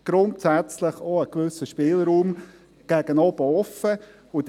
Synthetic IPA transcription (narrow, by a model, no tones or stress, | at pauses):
ɡ̥ɾʊntsæt͡slɪχoəkʋʏsəʃpɪːlɾuːm | ɡ̥æɡ̥ənɔb̥əɔfə | ʊd